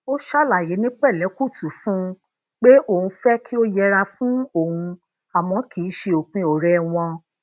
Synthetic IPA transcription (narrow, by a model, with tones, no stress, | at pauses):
o˦ʃa˦˨la˨je˨˦nĩ˦k͡pɛ˦˨lɛ˨˦ku˦˨tʰu˨˦fũ˦ | k͡pe˦ʔo˦˨hũ˧fɛ˦kʰi˦o˦jɛ˧˦ɾa˧fũ˦o˦˨hũ˧ | a˨mɔ̃˨˦ki˨˦ʃe˧o˨k͡pĩ˧o˨ɾɛ˨w̃ɔ̃˧